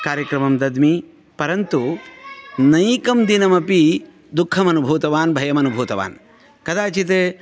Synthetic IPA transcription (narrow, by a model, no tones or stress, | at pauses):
kaːɾjɐkɾɐmɐmd̪ɐd̪mi | pɐɾɐnt̪u | nɐjkɐmd̪inɐmɐpi | d̪ukʰːɐmɐnubʱuːt̪ɐʋaːnbʱɐjɐmɐnubʱuːt̪ɐʋa̰ːn | kɐd̪aːt͡ʃit̪̬e